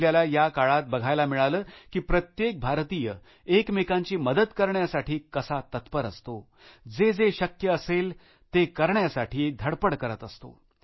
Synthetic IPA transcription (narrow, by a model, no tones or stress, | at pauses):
ljalajakaɭat̪̚bəɡʱajlamiɭaləːkiːpɾət̪jek̚bʱaɾt̪ijə | ekmekãɲt͡ɕiːməd̪ət̪kəɾɳjasaʈiːkəsat̪ət̪pəɾə̰st̪o | d͡zed͡zeɕəkjəːsel | t̪ekəɾɳjasaʈʰiːd̪ʱəɽpəɽkəɾət̪əst̪o̰